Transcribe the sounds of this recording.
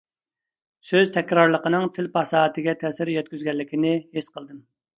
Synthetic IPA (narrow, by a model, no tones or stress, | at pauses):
søzt̪ʰɛkʲɾɑɾlˠəqənɨŋt̪ʰɪlpʰɑsɑːt̪ʰɪɡʲɛt̪ʰɛsɪɾjɛt̪̚kʲyzɡʲɛlːɪkʲinɪhesqəlˠd̪ɨm